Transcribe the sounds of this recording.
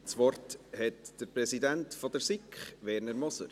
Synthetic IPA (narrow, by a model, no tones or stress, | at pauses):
t͡sʋɔrthɛtd̥əɾprɛsidæntfɔd̥əɾsikχʋɛɾnəɾmɔsə̰ɾ